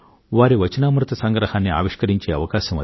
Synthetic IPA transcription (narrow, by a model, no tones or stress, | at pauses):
ʋaːɾiʋɐt͡ʃɐnaːmɾɨt̪ɐsɐŋɡɾɐhaːnːia̰ːʋiʂkɐɾiɲt͡ʃeːɐ̰ʋɐkaːʃɐmɐ̰